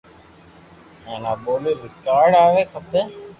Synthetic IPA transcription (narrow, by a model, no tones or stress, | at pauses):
eːnaːboːliɾɪkaːɾɖaːʋeːkʰət̪ːe